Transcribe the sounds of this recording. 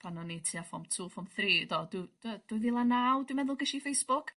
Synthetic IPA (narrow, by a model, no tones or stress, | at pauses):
pʰanɔnitʰiafɔmtʰuːfɔmθriːdɔdud̥əd̥ʊjðilˠanawdɪmɛðʊlˠɡəʃifejsb̥ʊk